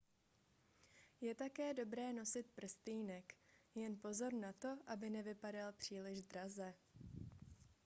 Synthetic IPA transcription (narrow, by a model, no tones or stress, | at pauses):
jɛt̪akɛːdo̞bɾɛːno̞sɪt̪̚pr̩st̪iːnɛkjɛnpo̞zo̞ɾnat̪o̞ʔabɪnɛvɪpadalpr̝̥iːlɪʒd̪ɾazɛ